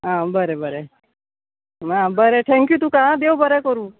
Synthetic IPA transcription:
ɦãbəɾebəɾe | ɦãbəɾeʈʰɛ̃ŋkjut̪ũkãd̪ewbəɾekəɾũ

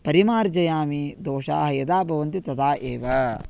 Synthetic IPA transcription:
pɐɾimaːɾd͡ʒɐjaːmid̪oːʂa̰ːɦɐjɐd̪aːbʱɐʋɐnt̪it̪ɐd̪aːʔeːʋɐ

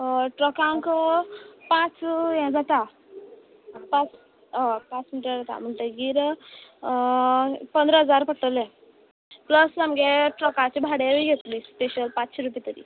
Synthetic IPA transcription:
ʈɾɔkãŋk | pãt͡sjɛ̃d͡zat̪a | pãt͡s | pãt͡smiʈɾəd͡zat̪a̰m̤əɳʈ̪eɡiɾ | pənd̪ɾəɦəd͡zaɾpəʈʈəlẽ | pləsamɡeʈɾɔkãt͡ɕebʱaɽeʋiɡʱet̪lispeɕəlpat͡sɕeɾupit̪əɾḭ

